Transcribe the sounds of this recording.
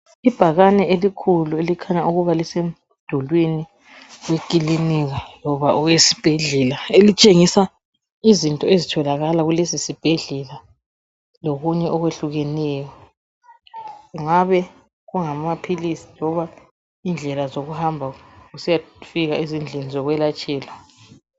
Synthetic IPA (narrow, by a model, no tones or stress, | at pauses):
ib̥ʱaɣanɛelikʰuluelikʰaɲaʔuɣuβalisem̩ | d̥ʱulwini | wekʼiliniɣalɔβaʔuɣwesi̥b̥ʱɛɮɛlaelit͡ʃʼeŋisa | izintʼɔezitʰɔlaɣalaɣulesisib̥ʱeɮɛla | loɣuɲɛʔɔɣweɬuɣɛnɛːjɔ | ɣuŋaβɛ | ɣuŋamapʰilisi̥lɔβa | iːnd͡ɮʱɛlazoɣuhambʱaɣusijafiɣaizind͡ɮʱenizɔɣwɛlat͡ʃʼɛːla